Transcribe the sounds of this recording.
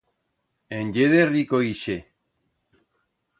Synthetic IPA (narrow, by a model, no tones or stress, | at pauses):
enɟeðerikoiʃe